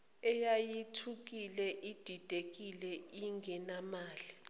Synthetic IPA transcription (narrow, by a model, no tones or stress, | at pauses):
ɛjajitʰuk̬ilɛʔid̥ʱid̥ʱek̬ilɛiŋʱɛnamaːli